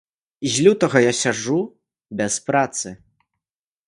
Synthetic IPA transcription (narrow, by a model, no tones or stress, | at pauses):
izʲlʲut̪ɐɣɐjasʲaʐu | bʲɛspɾat̪sɨ